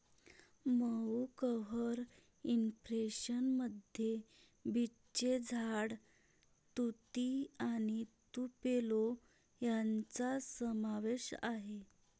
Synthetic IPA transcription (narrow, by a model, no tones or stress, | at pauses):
məkəɦəɾ | impɾeɕənməd̪ʱje | bʱi | t͡ɕed͡zʱaɽ | t̪ut̪iaɽ̃it̪upelo | jant͡sasəmaʋeɕa̰ɦe